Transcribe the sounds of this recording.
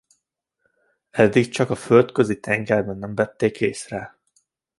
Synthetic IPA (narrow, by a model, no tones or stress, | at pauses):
ɛd̪ːik̚t͡ʃɒkɒfølt̪køzit̪ʰɛŋɡɛrbɛnːɛmvɛt̪ːeːkeːsrɛ